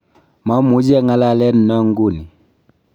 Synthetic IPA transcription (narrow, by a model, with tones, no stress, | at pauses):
ma˦mu˨˦d͡ʒɛ˦ŋa˦la˦˨lɛ˦n̩˨nɔ˦ŋ˦ɡu˦˨ni˨